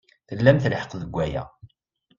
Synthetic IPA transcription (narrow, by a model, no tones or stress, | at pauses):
θəlːæmθləħə̥qðəɡʷːæjæ̰